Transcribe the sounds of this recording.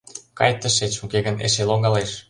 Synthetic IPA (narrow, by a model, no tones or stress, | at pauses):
kɑ̰jt̪ːəʃet͡ɕukeɣə̆nḛʃeloŋɑleʃ